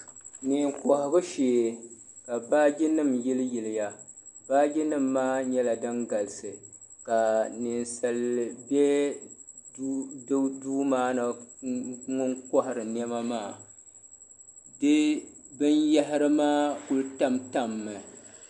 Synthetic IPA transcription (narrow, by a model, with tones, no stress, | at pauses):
nɪ˨ŋkɔ˨hɪ˨bɨ˦ʃe˨ | ka˨baː˦d͡ʒi˦nɨ˦˨mjɪ˦lɨ˦jɪ˨lɪ˨ja˦ | baː˦d͡ʒi˦nɨ˦mːaː˦ɲɛ˦la˨dɨ˦ŋɡa˨lsɨ˨ka˨nɪ˨nsa˨lbɛ˦ | dɨ˦duː˦maː˦nɨ˨ | ŋʊ˦ŋkɔ˦hɪ˨ɾɨ˨n˦ɛ˦ma˦maː˦˨ | dɨ˦ | bɨ˦nja˦ɦɪ˦ɾɨ˦maː˦ku˦lta˦mta˦mːɨ˨